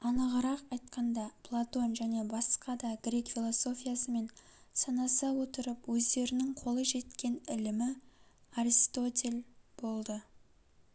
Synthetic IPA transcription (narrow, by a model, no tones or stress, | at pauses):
ɑnəʁəɾɑqɑjt̪̚qɑnd̪ɑpʰlˠat̪o̞nʒæne̞bɑsqɑd̪ɑɡɾʲe̞kfʲilˠoso̞fʲijasəme̞nsɑnɑsɑwo̞t̪əɾəpwɵzd̪e̞ɾɪnɪŋqʰo̞lˠəʒe̞t̪kʲe̞nɪlɪmɪaɾist̪o̞t̪ʲe̞lʲb̥o̞lˠd̪ə